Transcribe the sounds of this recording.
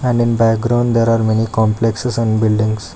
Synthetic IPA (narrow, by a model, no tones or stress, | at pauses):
ɛ̃ɳɖɪ̃nbæk̚ɡɾãʊ̃ɳɖd̪eːɾaːɾmenikɔ̃mpleksesə̃nbɪlɖĩŋɡs